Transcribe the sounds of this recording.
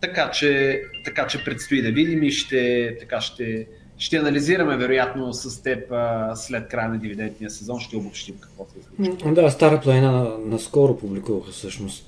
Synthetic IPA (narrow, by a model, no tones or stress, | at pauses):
t̪ɐkat͡ʃɛt̪ɐkat͡ʃɛpɾɛt̪st̪oid̪ɐvid̪imiʃt̪ɛt̪ɐkaʃt̪ɛ | ʃt̪ɛɐnɐliziɾɐmɛvɛɾʊjat̪nosɐst̪ɛpəslɛt̪̚kɾajənɐd̪ivid̪ɛnt̪nijəsɛzɔnʃt̪ɛobʊpʃt̪imkɐkvɔsɛizlit͡ʃd̪ast̪aɾəplˠɐninanɐskɔɾopublikuvɐxəfsɤʃnost̪